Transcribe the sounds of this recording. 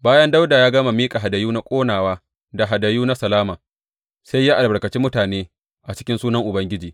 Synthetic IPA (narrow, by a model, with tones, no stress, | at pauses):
baː˦jɐ˦nda˦wdaː˨jaː˦ɡɐ˦ma˨miː˦kʼa˨ɦa˨dɐ˨juː˦na˦kʷʼoː˦naː˨waː˦ | da˨ɦa˨dɐ˨juː˦na˦sɐ˨laː˦maː˨ | sa˦jːaː˦ʔa˨lbɐ˨ɾkɐ˨t͡ʃiː˦mʊ˦taː˨neː˦ | ʔa˨t͡ʃɪ̥˦kʲɪ˦nsuː˦nɐ˦ŋʔʊ˨bɐ˦ŋɡʲɪ˦d͡ʒiː˨